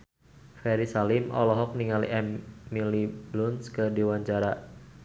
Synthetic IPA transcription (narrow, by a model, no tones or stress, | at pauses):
fɛɾisalimʔɔ̰lɔɦɔk̚niŋalḭʔɛmːiliblunskədiwaɲt͡ʃaɾa